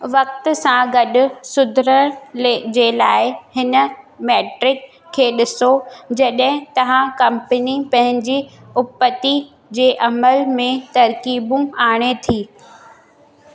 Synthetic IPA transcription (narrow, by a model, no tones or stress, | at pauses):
ʋɐk̚t̪ʊsãɡɐɗʊ̆sʊd̪ʱɾəɽ̃led͡ʑeːlaːɪhɪnə̆mɛːʈɾɪkʰː | eːɗɪsod͡ʑɐɗɦɪ̃t̪ɐʋ̤ãkɐ̃mpənipɐ̃ɦɪ̃ɲd͡ʑi | ʊpːət̪i | d͡ʑeːʔɐməlmẽt̪ɐɾkiːbũaːɽ̃et̪ʰiː